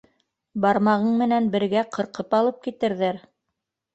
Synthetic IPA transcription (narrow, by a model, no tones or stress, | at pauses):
bɑɾmɑʁɤɴmɘ̆nænbɘ̆ɾɡæqʰɤ̆ɾqɤpɑlˠɤp̚kit̪ɘ̆ɾðæɾ